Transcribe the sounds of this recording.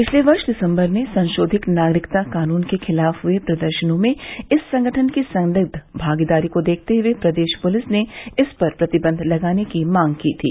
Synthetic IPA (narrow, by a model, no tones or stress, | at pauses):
pɪt͡ʃʰleʋɐɾʃɖɪsə̃mbəɾmẽsɐ̃nʃoːd̪ʱɪknaːɡɾɪkt̪akaːnuːnkexʰɪlaːfɦʊepɾɐd̪əɾʃənõmẽɪsːɐ̃ŋɡəʈʰənkisɐ̃nlɪɡ̚d̪ʱbʱaːɡid̪aːɾikod̪eːk̚ʰt̪eɦʊepɾɐd̪eːʃpʊlɪsneɪspɐɾpɾɐt̪ɪbə̃nd̪ʱlɐɡaːnekimãːŋɡkiːt̪ʰḭː